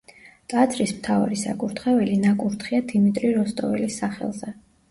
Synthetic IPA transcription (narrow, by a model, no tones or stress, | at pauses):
t̪ʼat̪zʰɾismt̪ʰava̰ɾisa̰kʼuɾt̪ʰχɛvɛlinakʼuɾt̪ʰχiad̪imit̪ʼɾiɾɔst̪ʼɔ̰vɛ̰lisːaχɛ̰lˠzɛ